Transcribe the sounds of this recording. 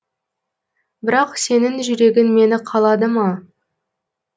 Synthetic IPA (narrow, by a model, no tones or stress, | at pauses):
bɪɾɑqse̞nɪŋʒʏɾe̞ɡʲɪnme̞nɪqʰɑlˠɑd̪əmɑ